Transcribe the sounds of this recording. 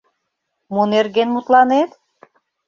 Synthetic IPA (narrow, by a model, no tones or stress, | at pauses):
muneɾɡenmut̪lˠɑnet̪